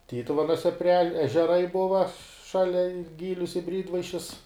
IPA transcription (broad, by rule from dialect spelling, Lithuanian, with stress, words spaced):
ˈtʲiːtʊʋʲɛnuɔsʲɛ pʲrʲɪ ɛʃ ɛʒʲɛˈrɐɪ ˈbʊʋɐ ˈʃɑːlʲɛ ɪ ˈɡʲiːlʲʊs ɪ ˈbʲrʲiːdʋɐɪʃʲɪs